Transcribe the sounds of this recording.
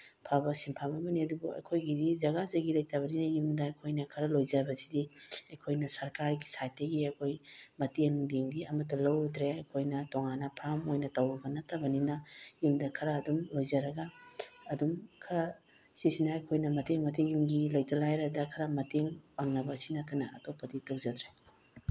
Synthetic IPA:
pʰabɐsimpʰamɐmɐniɐdubuɐ̰jkʰojɡidizɐɡazɐɡilɐjtʰaβɐninɐjumdɐɐjkʰojnɐkʰɐɾɐlojzabɐsidiɐjkʰojnɐsɐɾkaɾɡi̥sajt̚ɐɡiɐjkʰojmɐteŋdeŋdiɐmɐt̬ːɐlɐwɾit̪ɾeɐjkʰojnɐtoŋanːɐpʰɾamojnɐtɐwɾibɐnɐtɐbɐninɐjumdɐkʰɐɾɐːdumlojzɐɾɐɡɐːdumkʰɐɾɐ | sisinɐɐjkʰojnɐmɐteŋmɐtejumɡilɐjtɐlajɾɐdɐkʰɐɾɐmɐteŋpaŋnɐbɐsinɐtʰɐnɐɐtopːɐditɐwd͡ʒɐd̪ɾe

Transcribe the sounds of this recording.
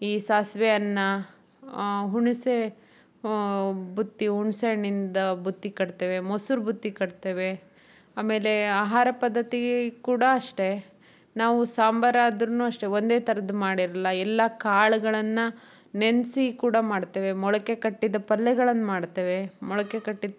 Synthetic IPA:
iːsaːsʋɛjɐnːɐ | ɦuɳise | bʱut̪ːiɦuɳseɳind̪ɐbʱut̪ːikɐɽt̪eːʋe̞mɐsuɾbʱut̪ːikɐɽt̪eːʋe̞ | aːme̞ːle̞aːɦaːɾɐpɐd̪ːɐt̪iɡkuːɽɐːʂʈe̞ | naːʋusaːmbɐɾaːd̪ɾɐnuːɐʂʈe̞ond̪eːt̪ʰɐɾɐd̪umaːɽiɾɐlːɐɛlːakaːɭuɡɐɭɐnːɐ | nensikuːɽɐmaːɽt̪eːʋe̞mɔɭɐke̞kɐʈːid̪ɐpɐlːɛɡɐɭɐnːɐmaːɽt̪eːʋe̞mɔɭɐkekɐʈːid̪

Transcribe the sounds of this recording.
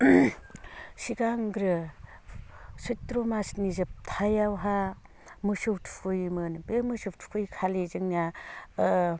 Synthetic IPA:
siɡaŋɡɾɯ | sutːɾomasnizɯp̚tʰajawɦa | mɯsuwtʰu̥pʰujmɯnbemɯsup̚tʰu̥kʰujkʰalezɯŋna

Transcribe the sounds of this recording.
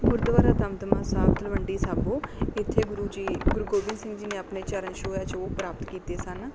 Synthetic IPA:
ɡʊɾd̪ʋaːɾaːt̪əmt̪əmãːsaːbt̪əlʋəɳɖiːsaːboːɪt̪ʰːeːɡʊɾuːd͡ʒiːɡʊɾuɡoːbɪ̃nsɪ̃ŋɡd͡ʒiːnẽːəpneːt͡ʃəɾənʃoːjaːt͡ʃoːpɾaːpt̪kiːt̪eːsən

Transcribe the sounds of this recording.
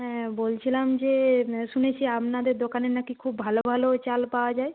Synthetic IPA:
ɦɛ̃bolt͡ɕʰilamd͡ʑeʃunet͡ɕʰiapnad̪eɾd̪okanenakikʰubːʱalobʱalot͡ɕalpaoad͡ʑae

